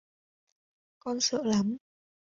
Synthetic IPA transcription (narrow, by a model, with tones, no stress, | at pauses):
kɔ˧nsə̰ː˧˨la˨˦m